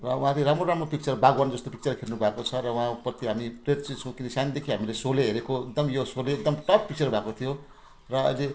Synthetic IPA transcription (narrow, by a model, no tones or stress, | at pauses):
rʌwuɦãɾeɾamroɾamropik̚t͡sʌrbaɡwand͡zʌst̪opik̚t͡sʌrkʰernubʱakot͡sʰʌɾʌwɦãpʌt̪iɦamipred̪t͡sit͡sʰʌ̃w̃kinʌsand̪ekʰiɦamilesoleɦeɾekoek̚d̪ʌmjosoleek̚d̪ʌmʈʌp̚pik̚t͡sʌrbʱakot̪ʰijo | rʌʌ̰d͡ze